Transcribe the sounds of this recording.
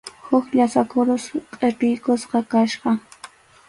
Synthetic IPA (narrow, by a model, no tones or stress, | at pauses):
hʊkʎasakʊɾosqʼeʈ͡ʂɪjkosqɑkaʃqɑ